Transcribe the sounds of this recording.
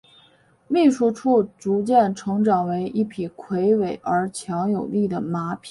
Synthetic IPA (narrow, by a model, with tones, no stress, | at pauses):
mi˥˩ʂu˥ʈ͡ʂʰu˥˩ʈ͡ʂu˧˥t͡ɕjɛ˥˩nʈ͡ʂʰɤ˧˥ŋʈ͡ʂɑ˨˩ŋwe˧˥ɪʔi˥˩pʰi˨˩kʰwe˧˥ɪwe˨˩ɪʔə˞˧˥t͡ɕʰjɑ˧˥ŋjo˨˩ʊli˥˩d̪ə˩ma˧˥pʰi̥˨˦